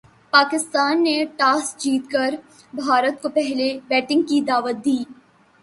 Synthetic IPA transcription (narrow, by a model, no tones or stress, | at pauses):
paːkɪst̪aːnːeʈaːs̚d͡ʒiːt̪kəɾ | bʱaːɾət̪̚kopɛɦlebɛːʈɪ̃ŋɡkid̪aːʋət̪̚d̪iː